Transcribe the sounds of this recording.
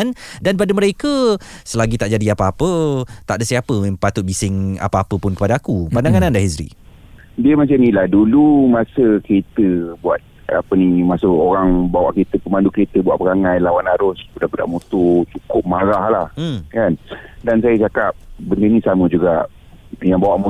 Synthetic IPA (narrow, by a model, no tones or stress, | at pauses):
ndanp̬adəməɾekəsəlaɡit̪aʔd͡ʒadiapaapət̪aʔdəsapəpat̪ʊt̪̚bisɪŋa̰paapəpʊnkəpadaakupandaŋanandahɦisɾḭ | diəmat͡ʃanĩlahdulumasəkəɾet̪əbua̰t̪̚ | a̰pənimasəoɾaŋbawa̰ʔkəɾet̪əpəmandukəɾet̪əbua̰ʔ̚pəɾaŋajlawanaɾʊsbudabəda̰ʔmut̪ot͡ʃukʊp̚maɾahlah̩kandansajət͡ʃakap̚bəndənĩsamə̃d͡ʒuɡaʔ | jaŋbawaʔmu